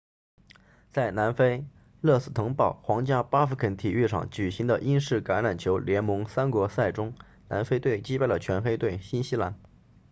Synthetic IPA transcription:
t͡sa˥˩ɪna˧˥nfe˥ɪ | lɤ˥˧sɹ̩˥˩t̪ʰɤ˧˥ŋpɑ˥˩ʊxwɑ˧˥ŋt͡ɕja˥pa˥fu˧˥kʰə˧˥nt̪ʰi˨˩y˥˩ʈ͡ʂʰɑ̰˨˩ŋt͡ɕy˨˩ɕi˧˥ŋd̪ə˧ʔi˥nʂɻ̩˥˩ka˧˥nɻa˨˩nt͡ɕʰjo˧˥ʊljɛ˧˥nmɤ˧˥ŋsa˥nkwɔ˧˥sa˥˩ɪʈ͡ʂʊ˥ŋ | na̰˧˥nfe˥ɪt̪we˥˩ɪt͡ɕi˥pa˥˩ɪlə˩t͡ɕʰɥɛ˧˥nfe˥ɪt̪we˥˩ɪɕi˥nɕi˥la˧˥n

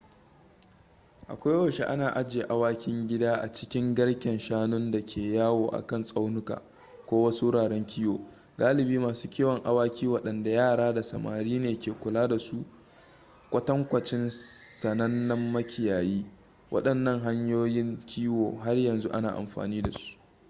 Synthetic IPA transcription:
ʔa̰˨kʷa˦jwɐ˨ʃe˦ʔa˦naː˨ʔa˦d͡ʒeː˨ʔa˦waː˦kʲɪ˦ŋɡʲɪ˦daː˦ʔa̰˨t͡ʃɪ˦kʲɪ˦ŋɡɐ˦ɽkʲɛ˨nʃaː˦nʊ˦nda˨kʲʰeː˨jaː˦woː˨ʔa̰˨kɐ˦˨nsʼa˦wnʊ˦ka̰ː˨ | kʷoː˦wɐ˦su˦ɽaː˨ɽɛ˦ŋkʲʰiː˦woː˨ | ɡaː˦lɪ˨biː˦maː˨su̥ː˦kʲi˦wɐ˨ŋʔa˦waː˦kʲiː˦wɐ˨ɗɐ˨nda˨jaː˦˨ɽaː˦da˨sɐ˨ma̰ː˨ɾiː˦neː˨kʲeː˨kʷʊ˨laː˦da˨su˦ | kʷʼɐ˦tɐ˦ŋkʷɐ˨t͡ʃɪ˦nsɐ˨nɐ˦nːɐ˦mːɐ˦kʲʰɪ˨jaː˨jiː˦ | wʔɐ̰˦ɗɐ˨nːɐ˦˨ŋɦa˦ɲjoː˦jɪ˦ŋkʲʰiː˦woː˨ɦa˦rjɐ˨nzu˦ʔa̰˦naː˨ʔa̰˨mɸa̰ː˨niː˦da˨su̥˦ʔ

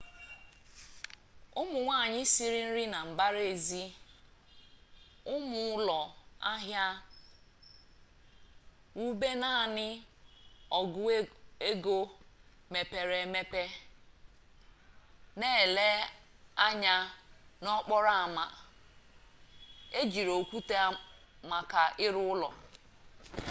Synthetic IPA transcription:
ʊ˦mʊ˨ŋʷa˦˨ɲɪ˦si˦ɾi˦n̩˦ɾi˦na˨m̩˨ba˦ɾe˨zi˦ | ʊ˦mʊ˨ʊ˦lɔ˨a˦ɦja˦ | u˦be˦na˦˨nɪ˦ | ɔ˨ɡʊ˦e˦ɡo˦ | me˨pe˨ɾe˨me˦pe˦ | ne˦˨le˦a˦ɲa˦nɔ˦k͡pɔ˦ɾa˦a˨ma˨ | e˦d͡ʒi˨ɾo˨kʷu˦te˦ | ma˨ka˨ʔɪ˦ɾʊ˦ʊ˦lɔ̰˨

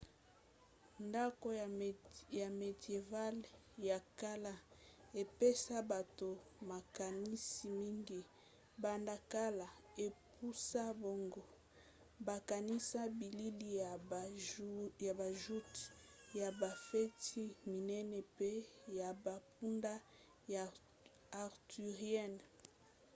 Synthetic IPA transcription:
nda˦ko˦˨ja˨me˨dje˨va˦l | ja˨ka˦la˦ | e˨pe˦sa˦ba˨to˨ma˨ka˨ni˦si˨mi˦ŋɡi˦ | ba˨nda˨ka˦la˨ | e˨pu˦sa˦bo˦ŋɡo˦ | ba˨ka˨ni˦sa˦bi˨li˦li˨ja˨ | ja˨ba˨ʒu˦ti̥˨ja˨ba˨fɛ˦ti˦mi˨nɛ˦nɛ˨pe˦ja˨ba˨p̚u˦nda˦ | ja˨ | a˨ʁty˨ʁjɛ˦˨n

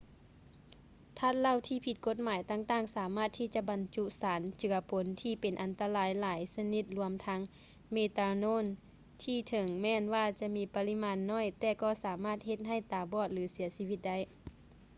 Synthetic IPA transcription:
t̪ʰa˧˥˩t̪̚la˧˥˨wt̪ʰiː˧˩pʰi˧t̪̚ko˧t̪̚maː˨˦jt̪aː˧˩ŋt̪aː˧˩˨ŋsaː˨˦maː˧˥˩t̪ʰːiː˧˩t͡ɕa˧ʔba˨nt͡ɕu˧˥ʔsaː˨˦nt͡ɕɯ˨˩˦ɐpʰo˨˦nt̪ʰiː˧˩pe˨nʔa˨nt̪a˧laː˨˦jlaː˨˦jsa˧ni˧t̪̚lu˧əmt̪ʰa˧˥ŋ | meː˧t̪aː˧noː˧˥˨n | t̪ʰiː˧˩t̪ʰɤ˨˦ŋmɛː˧˨nwaː˧˩t͡ɕa˧miː˧˥pa˧li˧˥maː˧˥nːɔː˧˥˨jt̪ɛː˧˩kɔː˧˩saː˨˦maː˧˥˩t̪̚he˧˦t̪̚ɦa˧˩jt̪aː˨˦bɔː˧˩t̪̚lɯː˨˦si˨˩˦ɐsiː˧˥ʋi˧t̪̚da˧˥˩j

